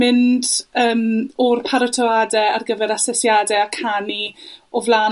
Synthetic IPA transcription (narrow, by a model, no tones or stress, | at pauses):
mɪndəːmɔrpʰaɾətʰɔadɛarɡəvɛɾasɛsjadɛakʰaniɔvlˠaː